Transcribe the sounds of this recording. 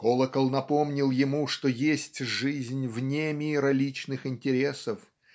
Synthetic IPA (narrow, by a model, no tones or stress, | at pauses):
kolˠəkəlˠnɐpomnʲɪlˠjɪmuʂt̪ojesʲtʲʐɨzʲnʲvnʲemʲiɾɐlʲit͡ɕnɨxɪnʲtʲɪɾʲesəf